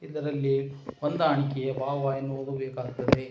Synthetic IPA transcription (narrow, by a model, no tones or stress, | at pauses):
id̪ɐɾɐlːiond̪aːɳikɛjɐbʱaːʋaːjɐnːuod̪ubeːkaːɡt̪ːɐd̪e